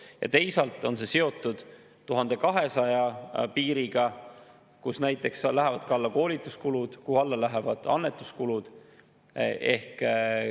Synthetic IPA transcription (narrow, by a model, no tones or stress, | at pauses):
jɑ̰t̪e̞jsɑlt̪ːˑo̞nse̞se̞o̞t̪ːˑud̪̥ | t̪ːuɦɑnd̪e̞kɑɦe̞sɑjɑpiːɾiɡ̥ɑ | kusnæjt̪ːˑe̞kslæɦevɑd̪̚kɑlːɑko̞ːlit̪ːˑuskulud̪̥kuhɑlːɑlæɦevɑd̪̥ɑ̰nːe̞t̪ːˑu̥skulud̪̥ | e̞̰hk